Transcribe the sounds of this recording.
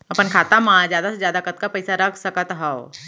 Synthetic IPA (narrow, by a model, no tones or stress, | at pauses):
ɐpənkʰaːt̪amãːzjaːd̪asezjaːd̪akət̪kapɛɪsaɾɐkʰsɐkət̪ɦao